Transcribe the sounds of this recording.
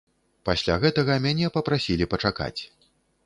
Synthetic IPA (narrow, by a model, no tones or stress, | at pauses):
pasʲlʲa̰ɣɛt̪ɐɣɐmʲanʲɛpɐpɾasʲilʲipɐt͡ʂaka̰t͡sʲ